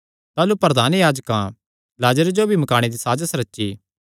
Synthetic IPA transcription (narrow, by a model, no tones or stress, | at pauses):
t̪aːlupəɾəd̪ʱaːnjaːd͡ʒkã | laːd͡ʒəɾed͡ʒobʱimɐkaːɽ̃ed̪isaːd͡ʒasɾətːʃiː